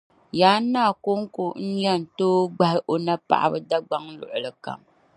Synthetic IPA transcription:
jaː˨˦nːaː˦˨ko˦ŋ̩˦ko˨n̩˦jɛ˦˨n̩˨toː˦ɡ͡ba˨hɪ˦ʔo˨na˦pa̰˨ʔa̰˨bɨ˦da˦ɡ͡ba˦ŋ˦lʊ̰˨ʔʊ˨lɨ˨ka̰˨m

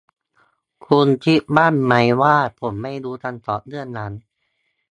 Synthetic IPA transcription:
kʰu˧nt͡ɕʰi˦˥baː˥˩nma˦˥jwaː˥˩pʰo˩˦mːa˥˩jduː˧t̪ʰa˧nt̪ɔː˨˩t̚nɯ˥˩ənːa˦˥n

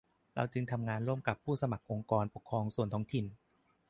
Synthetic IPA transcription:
ɾa̰˧wt͡ɕɯ˧ŋt̪ʰa˧mŋaː˧nɾu˥˩əmka˨˩pʰːuː˥˩sa˧ma˨˩k̚ʔo˧ŋkɔː˧npo˨˩kʰːɾɔː˧ŋsu˨˩ənt̪ʰɔː˦˥ŋt̪ʰi˨˩n

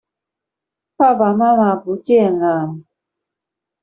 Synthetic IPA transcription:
pa˦˨ba˨ma˦ma˨pu˨˦tɛ˦˨ŋa˨m

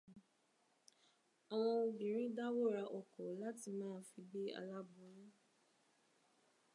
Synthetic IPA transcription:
a˨w̃ɔ̃˧bĩ˨ɾ̃ĩ˦da˦wo˦ɾa˧ʔɔ˨kɔ˨la˦ti˧mãː˦˨˦fi˧bi˦a̰˧la˦bũ˨˦ɾ̃ĩ˦

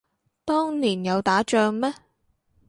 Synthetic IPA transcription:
t̪ɔː˥ŋniː˨˩njɐ˨˧wt̪aː˨˥t͡ʃœː˧ŋmɛː˥

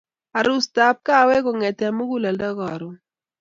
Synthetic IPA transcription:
a˨ɾu˦sta˨˦p̚ka˦˨˦we˦kɔ˨ŋɛ˨ta˨mu˦ɡu˦lɛ˨ldɔ˦ɡɔ˨ɾu˨

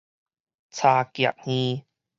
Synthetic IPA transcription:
t͡sʰaː˧ki˨˩ə̰˨k̚ŋ̥iː˧

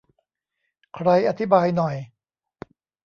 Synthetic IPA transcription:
kʰɾa˧jʔa˧t̪ʰi˦˥baː˧jnɔ˨˩j

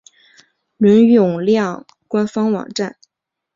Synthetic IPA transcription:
lə˧˥ny˨ʊ˨˩ŋljɑ˥˩ŋ | kwa˥nfɑ˥ŋwɑ̰˨˩ŋʈ͡ʂa˥˩n

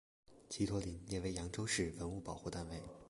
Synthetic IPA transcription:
t͡ɕʰi˧˥t̪ʰwɔ˧˥li˧˥nljɛ˥˩we˧˥ɪjɑ˧˥ŋʈ͡ʂo˥ʊʂɻ̩˥˩wə˧˥nu˥˩pɑ˨˩ʊxu˥˧t̪a˥˧nwe˥˩ɪ

